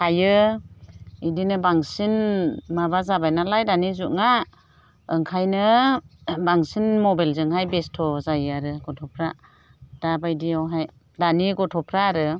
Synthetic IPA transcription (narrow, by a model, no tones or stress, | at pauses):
kʰajɯ | idinɯbaŋsinmaβazabajnalajdanizuʔŋa | ɯŋkʰajnɯ | baŋsinmɔbajlzɯŋɦajbestʰɔzajaɾɯɡɔtʰɔpʰɾa | d̥abajdiawɦaj | daniɡɔtʰɔpʰɾaːɾɯ